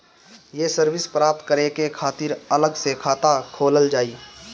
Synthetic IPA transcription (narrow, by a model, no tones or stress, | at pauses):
jesəɾʋɪspɾaːp̚t̪kəɾekekʰaːt̪iːɾələɡsekʰaːt̪akʰoːləld͡ʒaːiː